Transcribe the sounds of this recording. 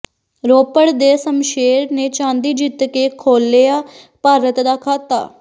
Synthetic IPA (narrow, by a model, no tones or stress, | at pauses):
ɾoːpəɽd̪eːsəmʃeːɾneːt͡ʃãːnd̪iːd͡ʒɪt̪keːkʰoːlːeaː | paːɾət̪d̪aːkʰaːt̪a̰ː